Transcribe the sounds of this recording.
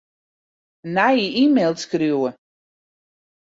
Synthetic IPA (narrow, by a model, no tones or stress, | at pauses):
najiimelˠtskrjuwə